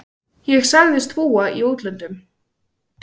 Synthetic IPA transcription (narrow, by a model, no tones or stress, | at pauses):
jɛɣsaɣðɪst̪ʰvuːaʔiowt̪lant̪ʏm